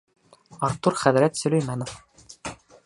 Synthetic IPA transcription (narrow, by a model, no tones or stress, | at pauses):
ɑɾt̪ːuɾχæðɾæt̪sɵ̆lʲɵ̆jmænof